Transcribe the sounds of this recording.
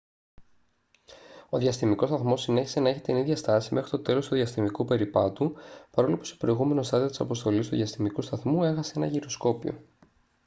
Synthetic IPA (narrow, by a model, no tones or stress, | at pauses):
o̞ðʝɐst̪imiko̞st̪ɐθmo̞sine̞çise̞nɐeçi̥t̪iniðʝɐst̪ɐsime̞xɾit̪o̞t̪e̞lo̞st̪uðiɐst̪imikupe̞ɾipɐt̪upɐɾo̞lopu̥st̪o̥pɾo̞iɣume̞no̞st̪ɐðio̞t̪i̥sɐpo̞st̪o̞list̪uðjɐst̪imikust̪ɐθmue̞xɐse̞e̞nɐʝiɾo̞sko̞pio̞̰